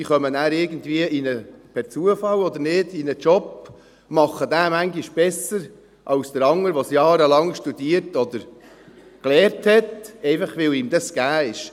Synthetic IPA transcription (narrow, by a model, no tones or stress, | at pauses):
iχœmənæːɾɪɾɡən̩tviəinəpʰɛt͡suəfɑlɔd̪əɾnɪd̥inət͡ʃɔp | mɑχːəd̪æːmæŋɡiʃb̥ɛsəɾ | ʔɑwsd̥̪əɾɑŋːəɾʋosjɑːɾəlɑŋʃtud̥iːəɾtɔd̪əɾ | klɛːɾthɛtɛɪfɑχʋɪliːmd̪ɑsɡ̥æːɪʃ